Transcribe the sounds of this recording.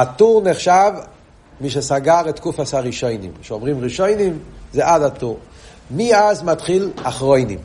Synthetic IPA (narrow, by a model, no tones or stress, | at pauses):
atuʁneχʃav | miʃ̬esaɡaʁet̪kufashaʁiʃo̞jnḭmʃeomʁimʁiʃojnimzeʔadatuʁ | miazmatχilaχʁojnḭm